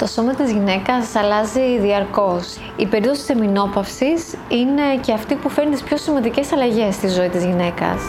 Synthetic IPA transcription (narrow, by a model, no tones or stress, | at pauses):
t̪o̞so̞mɐt̪izʝine̞kɐsɐlɐziðiɐɾko̞s | ipeɾipt̪oit̪i̥semino̞pɐfsisine̞ce̞ɐft̪ipufe̞ɾnit̪ispço̞simɐnd̪ice̞sɐlɐʝe̞st̪izo̞it̪izʝine̞kɐ̰s